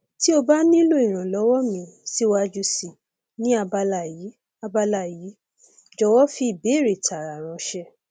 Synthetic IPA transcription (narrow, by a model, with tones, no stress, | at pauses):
ti˦o˧ba˦nĩ˦lo˦i˨ɾ̃ã˨lɔ˨˦wɔ˦mĩ˧˦si˦wa˧d͡ʒu˧si˨ | nĩ˦a˧ba˧la˨ji˨˦ | a˧ba˧la˦˨ji˨˦ | d͡ʒɔ˧wɔ˦fi˦i˦˨be˨˦˨ɾe˨ta˨ɾa˨ɾ̃ã˧ʃɛ˧